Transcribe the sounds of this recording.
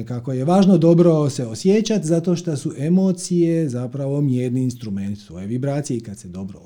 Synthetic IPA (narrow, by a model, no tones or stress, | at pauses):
kako̞jeʋaːʒno̞d̪o̞bɾoseosjet͡ʃat̪zat̪o̞ʃt̪asuʔe̞mo̞ːt̪sijezapɾaʋo̞mjeːɾniːnst̪ɾument̪sʋo̰jeʋibɾaːt̪sijekat̪sed̪o̞bɾo